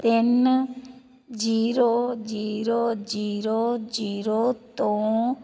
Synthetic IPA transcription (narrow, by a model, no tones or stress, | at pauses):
t̪ɪn | d͡ʒiːɾod͡ʒiːɾod͡ʒiːɾod͡ʒiːɾot̪õː